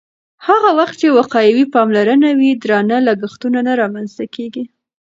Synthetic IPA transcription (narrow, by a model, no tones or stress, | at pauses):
haɣawaxt̪̚t͡ʃewaqɑjawipɑmlaɾənawid̪ɾɑnalaɡaxt̪unanaɾɑmanz̥t̪akeɡi